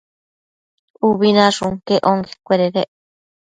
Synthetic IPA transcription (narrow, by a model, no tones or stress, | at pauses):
uβinaʐuŋkeʔoŋɡe̥kʷeɾeɾeʔ